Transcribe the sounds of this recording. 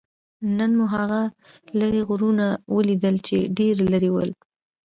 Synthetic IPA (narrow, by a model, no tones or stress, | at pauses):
nənmuɦaɣa | laɾeɣʊɾunawəlid̪əlt͡ʃeɖeɾlaɾewəl